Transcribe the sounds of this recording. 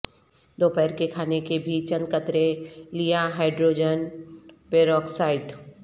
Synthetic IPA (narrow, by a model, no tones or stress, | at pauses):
d̪oːpɛːɾkekʰaːnekebʱit͡ʃə̃nd̪kət̪ɾelijaɦaːɪɖɾoːd͡ʒənpeːɾɔːksaːɪɖ